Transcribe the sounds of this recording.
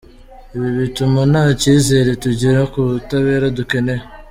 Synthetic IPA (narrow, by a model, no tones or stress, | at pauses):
iβiβitumunaciːzeːɾe̞tuɟiɾakutaβe̞ːɾaduke̞ne